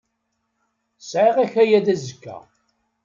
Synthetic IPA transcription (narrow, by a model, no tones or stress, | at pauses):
sʕiʁæçæjæðæzəkːæ̰